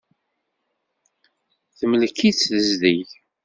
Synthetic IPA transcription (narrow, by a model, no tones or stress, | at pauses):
θəməlkːiθt͡sːðəzðið